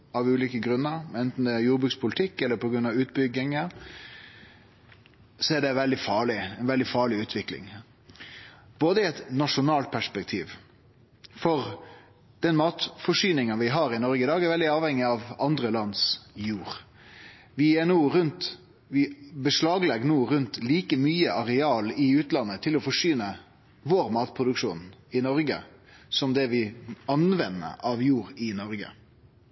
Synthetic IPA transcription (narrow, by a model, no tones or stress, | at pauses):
ɑʋʉːliːkəɡɾʉnːəɾmɛnt̪n̩d̪ɛæɾjuːɾbɾʉːkspʰʊlt̪ʰɪkːɛlːəpʰɔɡɾʉnɑʋʉːt̪̚bʏɡːɪŋə | sɔæɖɛʋɛld̪ɪfɑːɭɪɛnʋɛld̪ɪfɑːɭɪʉːt̪ʰʋɪklɪ̰ŋ | b̥oːd̪əɪɛt̪nɑʂʊnɑːlt̪̚pʰæʂpɛk̚t̪ʰiːʋ | fɔɾ | d̪̥ɛnmɑːt̪fɔʂyːnɪŋənʋɪɦɑɾɪnɔɾɡəɪd̪ɑːɡæɾʋɛld̪ɪɑːʋhɛŋːɪɑʋɑnd̪ɾəlɑnd̪sjuːʁ | ʋɪɛnuːɾʉnt̪ | ʋɪbəʂlɑːɡlɛɡnuːɾʉnt̪liːkəmyːəʔɑɾɛɑːlɪʉːt̪lɑnːət̪ʰɪlɔfɔʂyːnə | ʋoːɾmɑːt̪̚pʰʁʊd̪ʉkʂuːnɪnɔɾɡə̰ | sɔmd̪ɛʋɪɑnʋɛnːə̰ɑʋjuːɾɪnɔɾɡə̰